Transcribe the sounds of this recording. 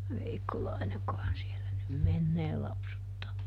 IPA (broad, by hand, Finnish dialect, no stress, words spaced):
ʋeikːolɑineŋkohɑn sielæ nym menːeː lɑpsutːɑː